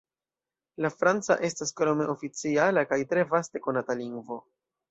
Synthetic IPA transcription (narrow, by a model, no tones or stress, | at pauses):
lafɾant͡sa̰ʔe̞staskɾo̞me̞ʔo̞fit͡sialakajtɾe̞vaste̞ko̞nataliŋɡvo̞